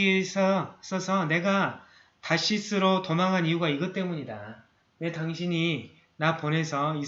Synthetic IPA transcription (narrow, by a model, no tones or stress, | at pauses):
esʰʌs͈ʌsʰʌne̞ɡa | taɕ͈ʰis͈ɯɾotomaŋɦanijuɡaiɡɯt͈e̞muɲida | ne̞taŋɕʰiɲi | napone̞sʰʌi